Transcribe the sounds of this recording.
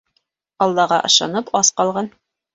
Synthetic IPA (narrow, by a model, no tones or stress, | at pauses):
ɑlˠːɑʁɑʔɤ̰̆ʃɑ̰nɤpʰɑsqɑlˠʁɑn